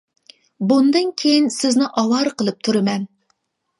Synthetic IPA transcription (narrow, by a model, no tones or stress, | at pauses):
bund̪ɨnkʲʰejinsɪznɪʔɑwɑɾqəlˠɨp̚t̪ʰuɾɨmɛn